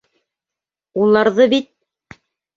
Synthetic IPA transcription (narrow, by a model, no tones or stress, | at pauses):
ulˠɑɾðɤbit̪̚